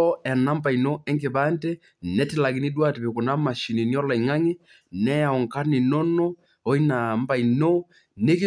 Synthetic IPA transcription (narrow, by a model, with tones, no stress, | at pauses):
ɔ˦ɛ˨na˦mba˨i˨no˦ɛ˦ŋkɪ˨ba˦ntɛ˦ | nɛ˦tɪ˦˨la˨ɡɪ˨˦ni˦dwa˦tɪ˨bɪ˨kʊ˨na˦ma˨ʃi˨ni˨ni˦ɔ˦la˨ŋa˦ŋɪ˦ | nɛ˦a˨ɔ˨ŋka˦nɪ˨nɔ˦nɔ˦ | ɔ˦i˦na˨m˦ba˨i˨no˦ | ne˦ki˦